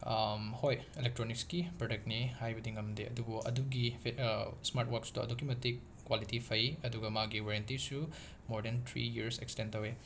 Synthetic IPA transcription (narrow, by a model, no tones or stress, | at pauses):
mhojelek̚tɾonikskipɾodek̚tnihajbɐdiŋɐmdeɐ̰dubuʔɐ̰duɡi | smaɾtwaɾkstuɐ̰dukimɐtik | kːwalitipʰɐjɐduɡɐmaɡiwaɾjantisu | moɾdent̪ʰɾḭjiɐɾsḛkstentɐwe